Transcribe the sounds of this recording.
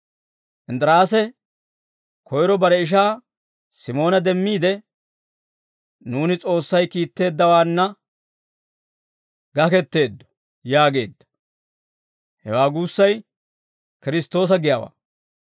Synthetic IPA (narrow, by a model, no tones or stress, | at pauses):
ʔɪnd̪ɾaːsɛ | kʰɔjɾɔbɐɾɛɪʃ̬aː | sɪmo̞ːnɐd̪ɛmːiːd̪ɛ | nuːnɪt͡sʼo̞ːsːɐjkiːt̪ːe̞ːd̪ːɐwaːnːɐ | ɡɐkɛt̪ːe̞ːd̪ːɔ̥ | jaːɡe̞̰ːd̪ːɐ̥ | hɛ̰waːɡuːsːɐj | kɪɾɪst̪o̞ːs̬ɐɡɪjawa̰ː